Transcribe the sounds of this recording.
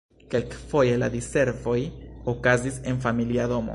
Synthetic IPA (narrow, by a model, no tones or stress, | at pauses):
ke̞lkfo̞je̞lad̪ise̞ɾvo̞jokazise̞nfamiliad̪o̞mo̰